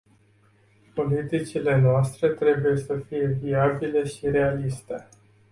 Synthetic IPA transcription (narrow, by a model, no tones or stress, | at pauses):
po̞lit̪it͡ʃile̞noast̪ɾe̞t̪ɾe̞buje̞səfije̞viabile̞ʃiɾe̞alist̪e̞